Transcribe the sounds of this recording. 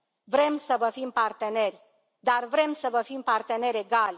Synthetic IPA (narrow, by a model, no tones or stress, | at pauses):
vɾe̞msəvəfimpart̪e̞ne̞rʲ | d̪arvɾe̞msəvəfimpart̪e̞ne̞ɾʲe̞ɡalʲ